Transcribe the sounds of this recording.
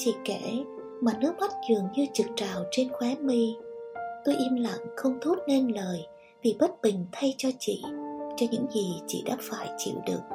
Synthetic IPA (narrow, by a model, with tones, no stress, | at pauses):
t͡ɕḭ˧˨kɛ˧˩ | maː˨˩nɨ˦˥ək̚ma˦˥t̚t͡ɕɨ˨˩əŋɲɨ˧t͡ɕɨ˨˩k̚t͡ɕaː˨˩wt͡ɕe˧nxwɛ˨˦mi˧ | t̪o˧jʔi˧mla̰˧˨ŋxə˧wŋ͡mt̪ʰo˦˥t̚ne˧nləː˨˩j | vi˨˩ɓə˦˥t̚ɓï˨˩ŋ̟t̪ʰa˧jt͡ɕɔ˧t͡ɕḭ˧˨t͡ɕɔ˧ɲɨ̰˧˥ŋzi˨˩t͡ɕḭ˧˨ɗa̰ː˧˥faː˧˩jt͡ɕḭ˧˨wɗɨ˨˩ək̚